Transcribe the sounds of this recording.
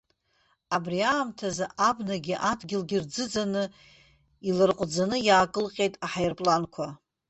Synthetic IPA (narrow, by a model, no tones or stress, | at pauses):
abriaːmtʰazaʔabnaɡʲiʔadɡʲɪlɡʲɪrd͡zɨd͡zanɨ | ilɨrqʷʼd͡zanɨjaːkʼɨlqʲʼe̞jtʼaħajɪrpʼlankʷʰa